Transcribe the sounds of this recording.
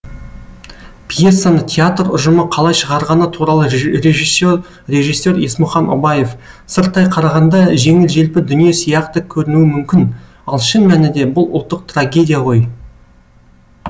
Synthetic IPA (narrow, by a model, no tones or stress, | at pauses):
pʰje̞sːanəɴt̪ʲʰeat̪rʊ̰ʒəməqʰɑlˠɑjʃəʁɑɾʁɑnət̪ʰuɾɑlˠəɾʲeʒisːo̞ɾ | rʲe̞ʒijsːe̞ɾe̞smʊχɑno̰bɑje̞f | səɾt̪ːɑjqʰɑɾɑʁɑnd̪ɑʒe̞ŋɪlʒe̞lpɪd̪ʏnije̞sijɑqt̪əkʲʰɵɾɪnuɪmʏmkʲɪn | ɑlˠʃɪnmænɪd̪e̞bʊlˠʊ̰lˠt̪ːəq̚t̪raɡʲe̞d̪ʲijaʁʰo̞j